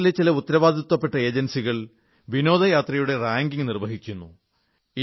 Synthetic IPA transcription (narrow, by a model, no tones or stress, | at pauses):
ilet͡ɕːilɐut̪ːɐɾɐʋaːd̪ʱit̪ːɐpːe̞ʈːɐe̞ːd͡ʑɐnsiɣɐɭ | ʋino̞ːd̪ʱɐjaːt̪rɐjuɽe̞raːŋɡiŋnirʋɐɦikʲːunːu | i